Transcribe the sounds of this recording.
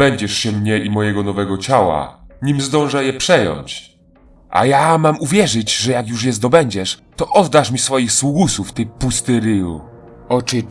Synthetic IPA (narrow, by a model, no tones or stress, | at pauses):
ɛɲd͡ʑɛʂɕɛmɲɛʔimɔjɛɡɔnɔvɛɡɔt͡ɕawa̰ɲimzd̪ɔ̃w̃ʐajɛpʂɛjɔ̰ɲt͡ɕ | ʔa̰jamamuvʲjɛʐɘd͡ʑʐɛjakjuʂjɛst̪ɔbɛɲd͡ʑɛʂt̪ɔʔɔd̪ːaʂmʲisfɔjixswuɡusuft̪ɘpust̪ɘɾɘjṵ | ɔt͡ʂɘ